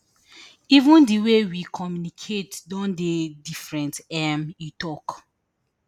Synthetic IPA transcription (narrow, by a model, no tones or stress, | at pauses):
ivũndiwewikʰɔmjunikʰetdɔ̃ndedifɹɛ̃ntɛmjutɔk